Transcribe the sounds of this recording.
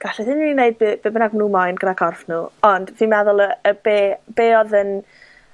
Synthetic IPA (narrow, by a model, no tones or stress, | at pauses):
ɡ̥aɬɛðɪnineɨd̚bbɨːbənaɡmnuːmajnɡ̥ənakʰɔrfnuːɔnd̥ðimɛðʊlˠəəbeːb̥eːɔðən